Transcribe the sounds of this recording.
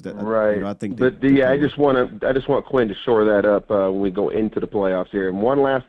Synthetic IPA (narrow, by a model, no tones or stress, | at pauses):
ɹaɪtθɪ̃b̥ʌt̚ɨjæaɪd͡ʒʌst̚wɑ̃ɾ̃ɨaɪd͡ʒʌst̚wɑ̃nəkʰw̥ɪ̃ntɨʃɔɹðɨɾʌpʌə̃nwiɡoʊʔɪ̃ntʰʉðəpʰl̥eɪɔfshiɹɨ̃nwʌ̃nlæs